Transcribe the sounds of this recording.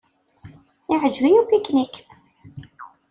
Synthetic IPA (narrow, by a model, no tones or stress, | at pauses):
ɪʕəd͡ʒwijupikːnik